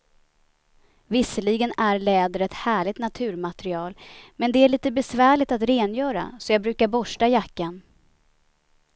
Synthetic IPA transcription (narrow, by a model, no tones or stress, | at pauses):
vɪsːəliɡənæɾlɛːd̪əɾɛt̪hæːɭɪɡ̚t̪nat̪ʰʉ̟ːɾmat̪ɾɪɑːlmɛnd̪ɛæɭiːt̪əbɛsvæːɭɪt̪at̪ɾeːnjœːɾa̰sɔjɑːɡbɾʉ̟ːkaɾbɔʂʈajakːan